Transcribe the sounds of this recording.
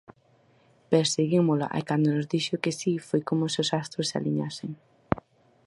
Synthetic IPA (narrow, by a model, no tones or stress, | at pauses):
peɾseɣimola̰ʔa̰kand̪onʊzd̪iʃʊkɪsifojkomʊseosast̪ɾosːa̰liɲaseŋ